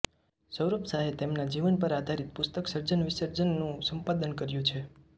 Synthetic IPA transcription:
səwɾəpsaɦet̪emnad͡ʒiʋənpəɾad̪ʱaɾit̪̚pʊst̪əksəɾd͡ʒənʋɪsəɾd͡ʒənːũsəmpad̪ənkəɾjũt͡ʃʰe

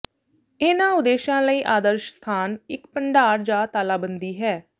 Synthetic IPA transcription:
ɪnãːʊd̪eːʃãːləiːʔaːd̪əɾʃst̪ʰaːnɪkpəɳɖaːɾd͡ʒaːt̪aːlaːbənd̪iːɦɛː

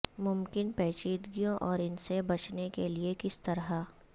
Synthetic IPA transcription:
mʊmkɪnpɛːt͡ʃiːd̪ɡijõʔɔːɾɪnsebɐt͡ʃnekeliekɪst̪ɐɾɦa

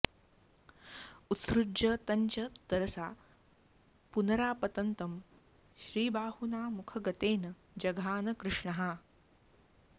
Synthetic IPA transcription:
ut̪sɾudd͡ʒɐt̪ɐɲt͡ʃɐd̪̥ɐɾɐsaː | punɐɾaːpɐt̪ɐnt̪ɐm | ʃɾiːbaːhunaːmukʰɐɡɐt̪eːnɐ | d͡ʒɐɡʱaːnɐkɾɪʂɳɐɦa

